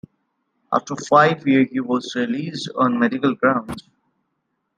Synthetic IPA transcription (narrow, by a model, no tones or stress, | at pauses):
ʔa̰fʈəɾfaɪʋjiəɾhiːʋɔzɾɪliːsɖɔ̰̃ːnmɛɖɪkəlɡɾãʊ̃nɖz